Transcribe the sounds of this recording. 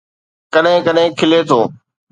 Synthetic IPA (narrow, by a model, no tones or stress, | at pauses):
kəɗɦɪ̃kəɗɦɪ̃kʰɪlet̪ʰoː